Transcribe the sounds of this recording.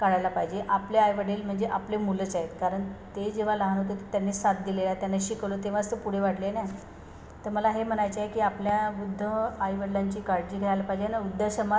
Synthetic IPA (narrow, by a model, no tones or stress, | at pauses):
kaɽalapaɦid͡ʑeʔapleajʋəɽiːlm̤əɳd͡zeʔaplemulət͡saɦet̪kaɾəɳt̪ed͡ʑeʋ̤aləɦanɦot̪̬ot̪ət̪janːisat̪̚d̪ilelat̪janːaɕikəlot̪eʋ̤ast̪əpuɽ̤eʋaɽlenaj | t̪əɾməlaɦem̤ənajt͡ɕaɦekiːapljaʋud̪ʱːəajʋəɽlaɲt͡ɕiːkaɾd͡ʑiːɡʱəajlapaɦid͡ʑenaud̪ʱːəɕəma